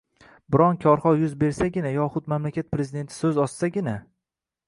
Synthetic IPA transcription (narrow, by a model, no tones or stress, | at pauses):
bɪɾɒnkʲʰɒɾχɒjʊzbe̞ɾsaɡʲɪnajɒχʊt̪mamlakʲat̪̚pʰɾe̞zid̪e̞nt̪ʰɪ̥sɵzɒssaɡʲɪna